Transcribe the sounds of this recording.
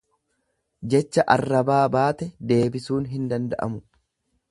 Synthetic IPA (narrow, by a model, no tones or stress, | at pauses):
d͡ʒɛt͡ʃːɐʔɐrːɐbaːbaːt̪ɛd̪e̞ːbɪsuːnɦɪnd̪ɐnd̪ɐ̰ʔɐ̰mʊ